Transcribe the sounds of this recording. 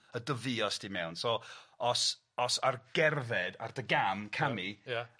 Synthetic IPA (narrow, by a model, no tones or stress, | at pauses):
ədəvɨɔsd̥imɛwnsɔɔs | ɔsarɡ̥ɛrðɛda̰rdəɡamkʰamija